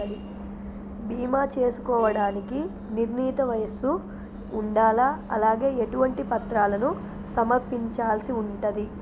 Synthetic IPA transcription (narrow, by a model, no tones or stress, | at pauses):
d̪i | bʱiːmaːt͡ʃe̞ːsu̥kɔːʋɐɽaːniki | niɾniːt̪ɐʋɐjɐsuː | ɳɖaːlaɐlaːɡe̞ːeʈuʋɐɳʈipɐt̪ɾaːlɐnu | sɐmɐɾpiɲt͡ʃaːlɐsiuɳʈɐd̪i